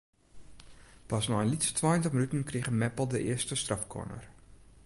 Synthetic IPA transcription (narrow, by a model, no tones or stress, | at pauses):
pasnɔənlitstʰʋaːjəntəxmənytən̩kriɣəmɛpəlˠdəʔɪəstəstrafkʰɔ̰nə̰r